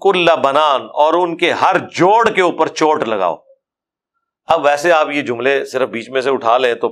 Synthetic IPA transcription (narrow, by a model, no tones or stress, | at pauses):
kʊlːabɐnaːnɔːɾʊnkeɦɐɾd͡ʒoːɽkeuːpəɾt͡ʃoːʈlɐɡa̰ːo̰ː | ɐbʋɛːseaːpjed͡ʒʊ̃mlesɪɾəfbiːt͡ʃmẽs̬eʊʈʰaːlẽt̪o